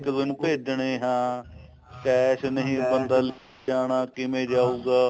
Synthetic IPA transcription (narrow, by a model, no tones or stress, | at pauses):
kd̪ɪnpeːd͡ʒɳeːɦãː | kɛːsnəɦĩːbənd̪aːl | aːɳaːkɪmẽːd͡ʒaːuːɡaː